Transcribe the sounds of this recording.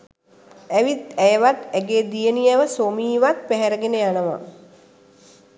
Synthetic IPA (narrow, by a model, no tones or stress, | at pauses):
æʋit̪æjəʋat̪ɛɡeːd̪ijəniɛʋəsomiːʋat̪̚pæɦɛɾəɡenəjanəʋa̰